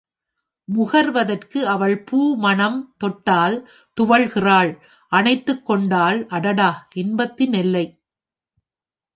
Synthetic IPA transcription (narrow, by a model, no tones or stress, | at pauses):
mʊɣɐɾʋɐðɐrkɯɐʋɐɭpuːmɐnɐmt̪ɔʈːaːl | t̪ʊʋɐɭɣɪraːɭ | ʔɐnɐɪt̪ːɯkːɔɳɖaːlʔɐɽɐɽaːʔɪnbɐt̪ːɪnɪlːɐɪ